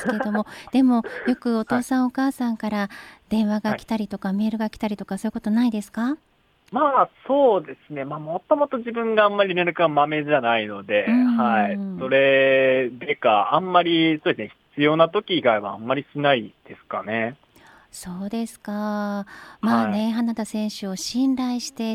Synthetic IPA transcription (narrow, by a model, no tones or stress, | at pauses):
sɨ̥ked̪o̞mo̞d̪̥e̞mo̞jo̞kɯ̟o̞t̪o̞ːsãɰ̃o̞kaːsãŋkaɾad̪̥ẽ̞ɰ̃βaɡakʲi̥t̪aɾʲit̪o̞kame̞ːɾɯ̟ɡakʲi̥t̪aɾʲit̪o̞kaso̞jɯ̟kot̪onaid̪e̞sɨ̥ka | maːso̞ːd̪e̞sɨne̞maːmo̞t̪o̞mo̞t̪o̞ʑibɯ̟̃ŋɡãːmːaɾʲineɾɯ̟kamame̞ʑanaino̞d̪e̞ɯ̃haiso̞ɾe̞d̪ekaãmːaɾʲiso̞ːd̪esɨneçi̥t͡sɨjo̞ːnat̪o̞kʲiɡaeβaamːaɾʲiɕinaid̪̥e̞sɨ̥kane̞ | so̞ːd̪e̞sɨ̥ka | maːne̞ɦanat̪asẽ̞ɰ̃ɕɨo̞ɕĩnɾaiɕi̥t̪e̞